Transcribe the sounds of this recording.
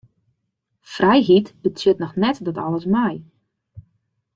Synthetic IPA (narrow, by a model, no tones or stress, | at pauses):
frɛjɦitbətʰjøtnɔxnɛtdɔtɔ̰ləsmɛj